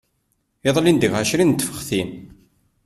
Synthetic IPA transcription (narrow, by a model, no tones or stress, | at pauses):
ɪðˤlind̪əʝʁæʃɾint̪ːfə̥χθin